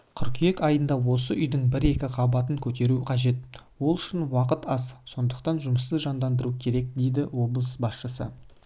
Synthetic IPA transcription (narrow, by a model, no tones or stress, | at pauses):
kʲʰʏɾkʲʰije̞kɑjənd̪ɑwo̞səʔʏjd̪ɪŋbɪɾe̞kʲɪqʰɑbɑt̪əŋkʲʰɵt̪e̞ɾuqʰɑʒe̞t̪̚wo̞lˠʏʃɪnwɑqət̪ɑsso̞nd̪əqt̪ɑnʒʊməst̪əʒɑnd̪ɑnd̪əɾukʲʰe̞ɾe̞k̚d̪e̞jd̪ɪwo̞blˠəsbɑsʃəsə̰